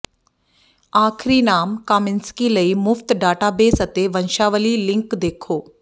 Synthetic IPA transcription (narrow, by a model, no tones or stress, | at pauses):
aːkʰɾinaːmkaːmɪnskiləimʊft̪ɖaːʈaːbeːsət̪eʋənʃaːʋəlilɪ̃ŋkd̪eːkʰoː